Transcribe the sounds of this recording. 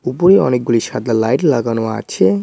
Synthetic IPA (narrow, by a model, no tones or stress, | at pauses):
upoɾeɔ̰nek̚ɡuliʃad̪ʱalajʈlaɡanoa̰t͡ɕʰe